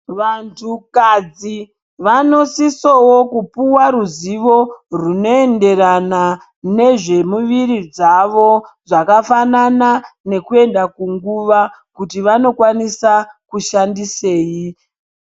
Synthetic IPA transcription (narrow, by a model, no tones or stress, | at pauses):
ʋantʰukad͡zi | ʋano̞sisowokupuwaɾuziʋo̞runo̞e̞nde̞rana | ne̞ʐe̞muʋiɾid͡zaʋo̞ʐakafananane̞kue̞ndakuŋɡuʋa | kutiʋano̞kwanisakuʃandise̞ːji